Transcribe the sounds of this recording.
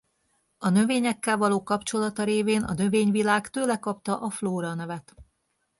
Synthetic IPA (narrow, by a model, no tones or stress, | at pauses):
ɒnø̞veːɲɛkːɛlvɒloːkɒpt͡ʃo̞lɒt̪ɒɾeːveːnɒ̰nø̞veːɲvilaːkt̪øːlɛkɒp̚t̪ɒʔɒfloːɾɒnɛvɛt̪